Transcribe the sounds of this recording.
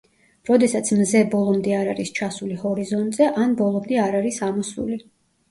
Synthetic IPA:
ɾɔd̪ɛsat̪sʰmzɛbɔlˠɔmd̪ɛaɾaɾist͡ʃʰasulihɔɾizɔnt̪ʼzɛʔanbɔlˠɔmd̪ɛaɾaɾisamɔsṵli

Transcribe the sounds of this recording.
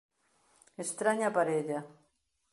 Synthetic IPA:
est̪ɾaɲapaɾed̪a

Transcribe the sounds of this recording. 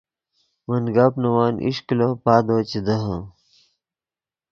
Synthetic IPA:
mɐnɡaːpnɐwaːnʔḭʂklopaːd̪oːt͡ɕed̪ɐɦã

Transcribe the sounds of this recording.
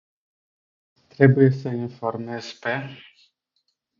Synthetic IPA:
t̪ɾebujesəinformez̥ʲpe

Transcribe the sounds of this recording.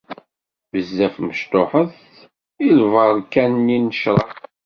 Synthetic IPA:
vəzːæfməʃt̪oħəð | ilvəɾˤkːænːinəʃɾˤɑ

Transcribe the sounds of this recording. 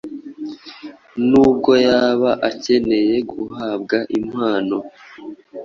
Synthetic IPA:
nuːb̚ɡo̞jaːβaʔace̞ne̞je̞ɡuhab̚ɡaʔimhaːno̞

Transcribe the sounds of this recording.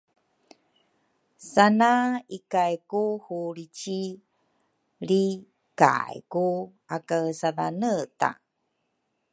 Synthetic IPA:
sanaikajkuhuɾit͡ɕi | ɾi | ka̰jku | akasaðanəta̰

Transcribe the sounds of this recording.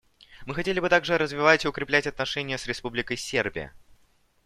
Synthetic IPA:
mɨxɐtʲelʲɪbɨt̪aɡʐɨɾəzvʲɪvatʲɪʊkɾʲɪplʲætʲɐt̪nɐʂɛnʲɪjəsɾʲɪspublʲɪkəjsʲːerbʲɪ̰jə̰

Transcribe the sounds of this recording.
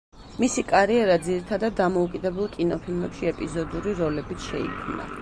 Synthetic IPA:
misikʼaɾiɛɾad̪ziɾit̪ʰad̪ad̪̚ːamɔukʼid̪ɛbɛlˠkʼinɔpʰilˠmɛpʃiɛpʼizɔd̪uɾiɾɔlɛbit̪sʰʃɛ̰ḭkʰmna̰

